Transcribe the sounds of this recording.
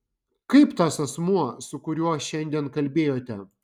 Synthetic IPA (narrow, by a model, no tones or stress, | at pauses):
kɐɪpt̪ɐsɐsmuɔsʊkʊɾʲuɔʃʲɛnʲd̪ʲiɛnkɐlʲbʲeːjoːt̪ʲɛ